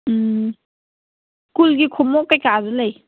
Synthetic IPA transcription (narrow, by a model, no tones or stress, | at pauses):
kulɡikʰɔmɔkajkazɔlaj